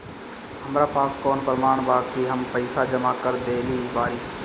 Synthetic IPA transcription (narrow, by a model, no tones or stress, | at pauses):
həmɾaːpaːskɔːnpɾəmaːɳ̃baːkiɦəmpəɪsad͡ʒəmakəɾd̪eːliːbaːɾiː